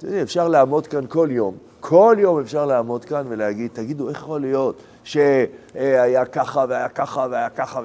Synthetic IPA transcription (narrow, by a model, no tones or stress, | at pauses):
t̪odiefʃaʁleaaːmo̞d̪kanko̞ljo̞m | kʰo̞ljo̞me̞fʃaʁlaamo̞d̪kanvelehaɡid̪̚t̪aɡid̪ueχjaχolijo̞t | ʃeajakaχaveajakaχaveajakaχa